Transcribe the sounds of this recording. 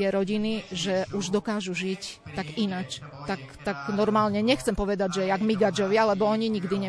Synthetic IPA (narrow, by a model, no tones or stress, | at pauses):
jɛɾɔɟiniʒɛʔuʒd̪ɔkaːʒuʒict̪aɡinat͡ʃt̪akt̪aɡnɔɾmaːlɲɛɲɛxt͡sɛmpɔʋɛd̪aɟʒɛjaɡmiɡad͡ʒɔʋɪaalɛbɔɔɲiɲiɡd̪iɲɛ